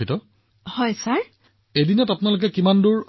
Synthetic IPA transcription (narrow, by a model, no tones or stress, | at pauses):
itɔ | hɔjsaɹ | edinɔtapʊnalok̬ɛkimanduɹ